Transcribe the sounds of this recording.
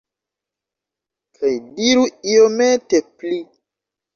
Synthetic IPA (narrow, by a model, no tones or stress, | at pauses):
kʰajdiɾuiometepli